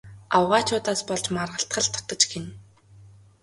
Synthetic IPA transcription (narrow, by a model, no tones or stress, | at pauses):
awʁaːt͡ɕʰʊːt̪aːspɔɮt͡ɕmarʁə̆ɬt̪χə̆ɮt̪ʰɔ̥t̪ɞ̆t͡ɕɡʰen